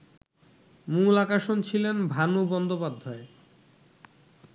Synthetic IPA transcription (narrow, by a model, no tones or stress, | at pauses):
mulakaʃont͡ɕʰilenbʱanubɔnd̪opad̪ʱːae